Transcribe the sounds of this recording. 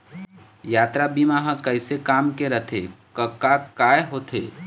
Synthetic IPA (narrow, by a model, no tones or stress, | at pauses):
jaːt̪ɾabimaɦə̃kəɪsekaːmkeɾət̪ʰḛkəkakaːjeɦoːt̪ʰḛː